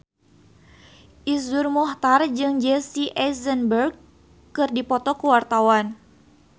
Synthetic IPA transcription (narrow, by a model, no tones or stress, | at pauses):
ʔisʊrmɔht̪ard͡ʒɨŋd͡ʒɛsiʔɛsənbərɡ̚ | kːɨrdipɔt̪ɔkuwart̪awan